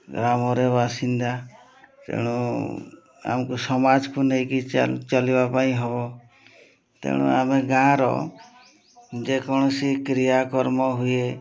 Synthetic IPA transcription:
ɡɾamɔɾebasind̪a | t̪ḛɽ̃u | a̰mkusɔmad͡ʒkunejkit͡ʃalibapaĩɦɔbɔ | t̪ḛɽ̃ṵameɡãɾɔ̰ | d͡ʒekʰɔɽ̃ɔsikɾijakɔɾmɔɦuje

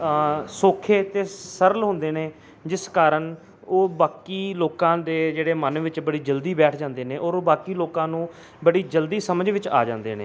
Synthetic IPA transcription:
soːkʰeːt̪eːsəɾəlɦʊ̃ːnd̪eːneː | d͡ʒɪskaːɾəɳ | oːbaːkiːloːkãːd̪eːd͡ʒeːɽeːmənʋɪt͡ʃbəɽiːd͡ʒəld̪iːbɛːʈʰd͡ʒãːnd̪eːnẽːʔoːɾoːbaːkiːloːkãːnũː | bəɽiːd͡ʒəld̪iːsəməd͡ʒʋɪt͡ʃa̰ːd͡ʒãːnd̪eːnḛː

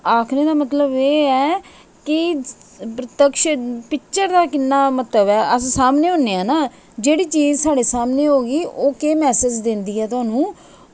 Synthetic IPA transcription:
aːkʰneːd̪aːmət̪ləbeːɛː | kɪ | pɾət̪əkʃpɪkt͡ʃəɾd̪aːkɪnːaːmət̪ləbɛːʔəssaːmneːɦõːnːeːãːnaː | d͡ʒeːɽiːt͡ʃiːd͡ʒsaːɽeːsaːmneːɦoːɡiːʔoːkeːmɛːsɪd͡ʒd̪ɪnd̪iːɛːt̪ʊaːnũː

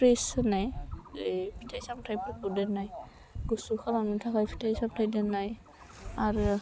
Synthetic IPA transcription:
pɹesnaj | pʰitʰajsamtʰajpɔpudɛnaj | ɡusuxʰabanutʰakajpʰi̥tʰasabtʰajdɛnaj | aɹ

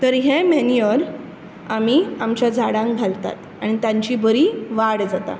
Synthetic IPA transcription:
t̪əɾɦemɛnijəɾ | amiːamt͡ɕjad͡zʱaɽãŋk̚ɡʱalt̪a̰t̪ | aɽ̃it̪jãɲt͡ɕiːbəɾiːʋaɽd͡zat̪a̰

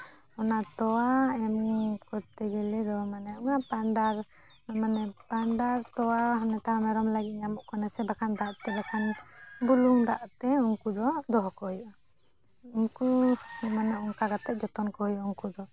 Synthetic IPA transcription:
ɔnat̪ɔwaɛmkɔt̪ɛɡɛlɛd̪ɔmanɛɔŋapanɖaɾ | manɛpaɳɖaɾt̪ɔwaɦanɛt̪aɾnaɾɔmlaɡit̪̚namɔʔkɔnɛsɛbakʰand̪aʔt̪ɛbakʰanbuluŋd̪aʔt̪ɛuŋkud̪ɔd̪ɔɦɔkɔhujʔa | unkumanaɔŋkaɡat̪ɛʔ̚d͡ʒɔt̪ɔnkɔhujɔuŋkud̪ɔ

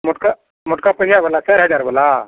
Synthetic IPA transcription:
mʊʈka | mʊʈkapɐijabəlasɛɾɦɛd͡ʒaɾbəla

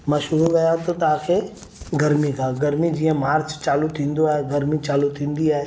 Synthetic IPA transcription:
mɐ̃ʃɦʊɾuɡɐjãt̪ʰot̪ɐãːkʰe | ɡɐɾmikʰãːɡɐɾmid͡ʒiːə̃maːɾt͡ʃt͡ʃaːlut̪ʰĩːnd̪oaːɦeɡɐɾmit͡ʃaːlut̪ʰĩːnd̪iaːɦe

